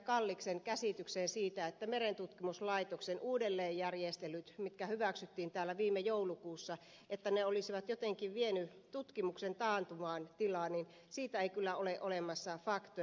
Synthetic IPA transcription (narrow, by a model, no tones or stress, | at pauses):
kɑlːikseŋkæsit̪ykseːnsiːt̪æet̪ːæmeɾent̪ut̪kimuslɑit̪oksenʔuːdelːeːjjærjest̪elyt̪mit̪kæhyʋæksyt̪ːiːnt̪æːlːæʋiːmːejoulukuːsːɑ | et̪ːæneolisiʋɑt̪jot̪eŋkiʋʋienyt̪ut̪kimuksent̪ɑːnt̪umɑːnt̪ilɑːnin | siːt̪æeikylːæoleʔolemɑsːɑfɑkt̪o